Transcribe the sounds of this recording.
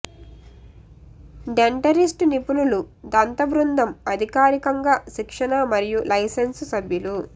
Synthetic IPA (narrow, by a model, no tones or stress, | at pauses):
ɖeɳʈɐɾisʈnipululud̪ɐnt̪ɐbɾund̪ʱɐmɐd̪ʱikaːɾikɐŋɡaːʃikʂɐnɐmɐɾijulʔɐjsenssɐbʱjulu